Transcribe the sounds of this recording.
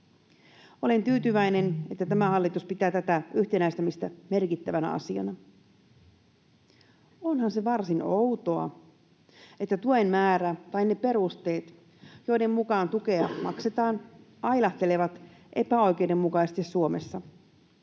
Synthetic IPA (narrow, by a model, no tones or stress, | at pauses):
ole̞nt̪yːt̪yʋæjne̞ne̞t̪ːæt̪æmæhɑlːit̪uspit̪æːt̪æt̪æyçt̪e̞næist̪æmist̪æme̞rkit̪ːæʋænæ̰ɑ̰siɑ̰nɑ | o̞nhɑnse̞ʋɑrsino̞wt̪o̞ɑ̰ | e̞t̪ːæt̪uenmæːɾæt̪ɑjnːepe̞ɾust̪e̞ːt̪ | jo̞jde̞mmukɑːnt̪uke̞ɑmɑ̰kse̞t̪ɑːnʔɑjlɑht̪e̞le̞ʋɑt̪ʔe̞pæo̞jk̟e̞jde̞mːukɑisest̪isːuomesːɑ